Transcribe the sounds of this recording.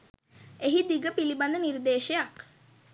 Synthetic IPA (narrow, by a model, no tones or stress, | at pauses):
eɦid̪iɡəpiliband̪ənird̪eːʃejak